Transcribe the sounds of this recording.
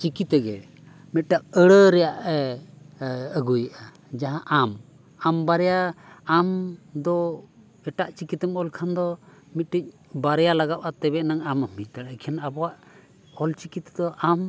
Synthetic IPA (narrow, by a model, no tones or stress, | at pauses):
t͡ʃikit̪ɛɡɛ | mit̪̚ʈaʔ̚əɽəɾɛjaʔɛ | əɡujəʔa | d͡ʒaɦãʔam | ambaɾɛjaːmd̪ɔ | ɛʈaʔt͡ʃikit̪ɛmɔlkʰand̪ɔmit̪̚ʈic̚ | baɾɛjalaɡaʔʔat̪ɛbɛʔnaŋaməmitaɽkʰɛnabɔwaʔ | ɔlt͡ʃikit̪d̪ɔʔam